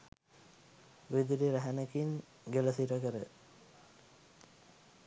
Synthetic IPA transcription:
ʋed̪iɾiɾæɦænəkiŋ | ɡeləsiɾəkəɾə

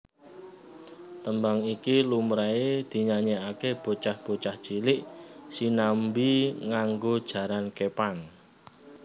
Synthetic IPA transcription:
t̪əmbaŋikilumɾaed̪̥i̤ɲaɲeakeb̥o̤t͡ʃahb̥o̤t͡ʃahd̥ʒ̥ilɪʔsinambiŋaŋɡod̥ʒ̥ä̤ɾankepaŋ

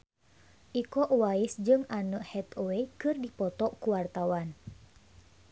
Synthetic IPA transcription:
ʔikɔʔwaisd͡ʒɨŋanuʔhɛt̪owekɨrdipɔt̪ɔʔkuwart̪awan

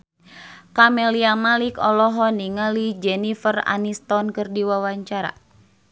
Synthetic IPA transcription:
kamɛliamalikɔlɔɦɔniŋalid͡ʒɛnifəra̰nist̪ɔnkɨrdiwawaɲt͡ʃaɾa̰

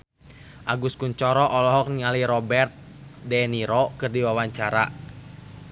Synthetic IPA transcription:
ʔaɡuskuɲt͡ʃɔɾɔʔɔlɔɦɔk̚niŋaliɾɔbɛrt̪̚ | dɛniɾɔkɨrdiwawaɲt͡ʃaɾa̰

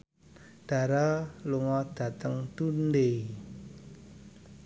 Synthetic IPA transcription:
ɖ̥a̤ɾaluŋɔd̥a̤t̪əŋt̪unde

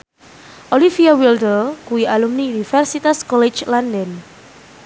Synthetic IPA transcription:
ʔolifiawildəlkuwiʔalumniunifɛrsit̪askɔlet͡ʃlandən

